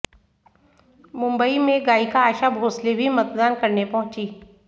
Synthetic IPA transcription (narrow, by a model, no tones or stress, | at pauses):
mʊ̃mbəimẽɡaːikaaːʃabʱoːslebʱimɐt̪d̪aːnkɐɾnepɐɦʊ̃t͡ʃiː